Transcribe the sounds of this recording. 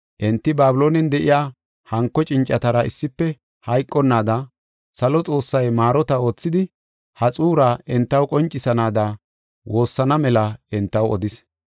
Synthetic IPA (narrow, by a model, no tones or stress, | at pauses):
ʔɛnt̪ːɪbaːbɪlo̞ːnɛnd̪ɛʔɪjaː | hɐŋkːɔt͡ʃʼɪnt͡ʃʼːɐt̪ɐɾɐɪsːɪpːɛ | hɐjkʼːɔnːaːd̪ɐ | sɐlɔt͡sʼo̞ːsːɐjmaːɾɔt̪ɐo̞ːt͡sːɪd̪ɪ | hɐt͡sʼuːɾaːʔɛnt̪ːɐwkʼɔnt͡ʃʼːɪsɐnaːd̪ɐ | wʔo̞ːsːɐnɐmɛlɐɛnt̪ːɐwɔ̰d̪ɪs